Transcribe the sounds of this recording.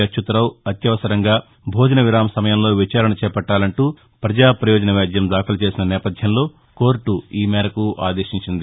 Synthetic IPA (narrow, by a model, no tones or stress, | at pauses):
ɐʃut̪ɐɾɐwɐt̪jɐʋɐsɐɾɐŋɡaː | bʱoːd͡ʒɐnɐʋiɾaːmsɐmɐjɐmlo̞ːʋit͡ʃaːɾɐɳɐt͡ʃɛːpɐʈːaːlɐɳʈuː | pɾɐd͡ʒaːpɾɐjoːd͡ʒɐnɐʋjaːd̪jɐmd̪aːkʰɐlɐt͡ʃe̞ːsinɐnɛːpɐd̪ʱjɐmlo̞ː | koːɾʈuiːmɛːɾɐkuʔaːd̪eːʃiɲt͡ʃind̪i